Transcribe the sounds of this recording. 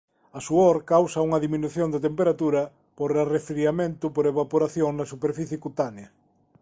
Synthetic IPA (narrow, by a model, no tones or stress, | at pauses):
ɐsuoɾkawsɐuŋɐðimĩnuθjond̪ɪt̪empeɾat̪uɾɐ | poɾarefɾiamẽnt̪ʊpoɾeβapoɾaθjoŋnɐsupeɾfiθjɪkut̪aneɐ